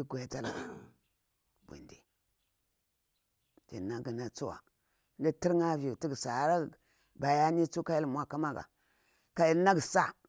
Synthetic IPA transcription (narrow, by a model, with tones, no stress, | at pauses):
i˦ɡʷo˨a˨ta˦la̰˨ | bʷṵ˨ndi˨ | tḭ˨na˨ɡi˨na˨t͡su˦wa̰˨˦ | nda˦ti˦ɾŋa˦vi˨ju˨ti˦ɡsa˨˦ɾa˦˨ | ba˨ja˦ni˦t͡su˦ka˦ja˦lmʷ˨a˦ka˦ma˦ɡa̰˨ | ka˨i˨˦na˦ɡsa˦